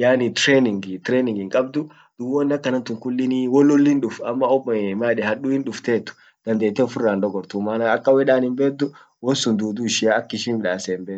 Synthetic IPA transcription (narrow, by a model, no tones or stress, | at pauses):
jaːnit̪ɾeːnɪŋɡt̪ɾeːnɪŋɡɪŋkʼɐbd̪ʊ | d̪̥ʊwɔnːɐkːɐnɐnt̪ʊŋkʊlːɪniwɔlːɔlːɪnᶑʊfɐmːɐɔbmaːᶑɛhɐɗuːhɪnᶑʊft̪eːt̪ːʊ̥ | d̪̥ɐnd̪eːt̪ːeɔfʊrːaːnɗ̪ɔɡɔɾt̪ʊmaːnɐɐkːɐwɛᶑaːnɪmbeːd̪ʊ | wɔnsʊnd̪uːd̪uːɪʃɪaɐkːɪʃiːnwɪᶑaːsɛmbeː